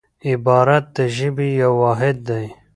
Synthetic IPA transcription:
ɪbɑːɾat̪̚d̪əʒibijawaːɦɪd̪̚ːaj

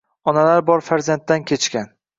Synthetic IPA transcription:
ɒnalaɾbɒɾfaɾzant̪ːankʲʰe̞t͡ʃkʲan

